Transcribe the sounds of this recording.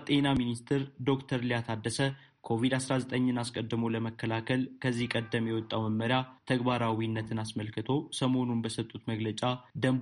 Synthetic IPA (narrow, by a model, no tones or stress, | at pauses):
t̪ʼe̞naminist̪ʰɨɾd̪o̞kt̪ʰəɾlijat̪ʰad̪ːəsə | kʰo̞vid̪asɾazət̪ʼəɲːɨnaskʼəd̪ːɨmoləməkːəlakʰəlkʰəzːihkʼəd̪ːəmjɛwɔt̪ʼːawməmːəɾjat̪ʰəɡbaɾawinːət̪ʰɨnasməlkɨt̪ʰo̞səmo̞nunbəsət̪ʼːut̪məɡlət͡ʃʼad̪əmb